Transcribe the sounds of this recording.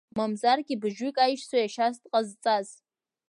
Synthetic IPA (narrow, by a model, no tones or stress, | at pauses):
mamzarɡʲibɨʒikʼajʃsajaʃastʼqʼazt͡sʼaz